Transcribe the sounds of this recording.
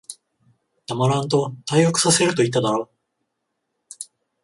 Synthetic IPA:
d̪̥amaɾãnt̪o̞t̪aiokɯ̟̥sase̞ɾɯ̟t̪o̞it̪ːad̪aɾo

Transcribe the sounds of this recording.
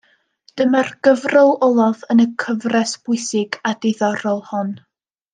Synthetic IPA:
d̥əmarɡ̥əvrɔlˠɔlˠɔðənəkʰəvrɛsb̥ʊɨsɪɡadɪðɔɾɔlˠhɔn

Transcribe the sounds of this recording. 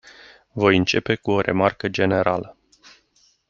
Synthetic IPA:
vo̞jɨnt͡ʃe̞pe̞kuo̞ɾʔe̞̰markəd͡ʒe̞ne̞ɾalə

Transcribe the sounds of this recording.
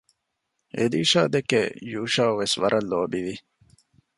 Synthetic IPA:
ʔḛd̪iːʃaːd̪ekːḛjuːʃaːʋesʋɐɾʔɐlːoːbiʋi

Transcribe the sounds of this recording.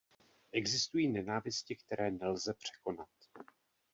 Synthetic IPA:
ʔɛɡzɪst̪ujiːnɛnaːvɪscɪkt̪ɛɾɛːnɛlzɛpr̝̥ɛ̥ko̞nat̪̚

